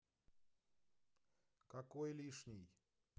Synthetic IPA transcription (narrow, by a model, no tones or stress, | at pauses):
kakojlʲiʂnʲij